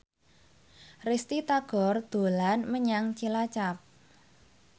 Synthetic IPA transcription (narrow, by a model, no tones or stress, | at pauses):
rist̪it̪aɡ̥ɔ̤rd̪̥o̤lanməɲaŋt͡ʃilat͡ʃap̚